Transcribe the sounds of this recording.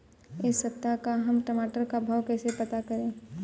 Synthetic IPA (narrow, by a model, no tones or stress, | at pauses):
ɪsːɐp̚t̪akaɦɐmʈəmaːʈəɾkabʱawkɛːsepɐt̪akɐɾẽː